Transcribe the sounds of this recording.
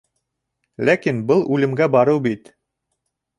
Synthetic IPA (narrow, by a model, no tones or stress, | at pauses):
lækinbɤlˠʔʉlɘ̆mɡæbɑɾɤwbit̪